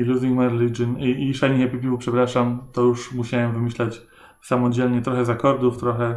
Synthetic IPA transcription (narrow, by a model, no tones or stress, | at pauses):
iluziŋkmaɾlit͡ʂɘniiʂaɲɛɕɛpipʲivupʂɛpɾaʂamt̪ɔjuʂmuɕawɛmvɘmɘɕlat͡ɕ | samɔd͡ʑɛlɲɛt̪ɾɔxɛzakɔɾd̪uft̪ɾɔxɛ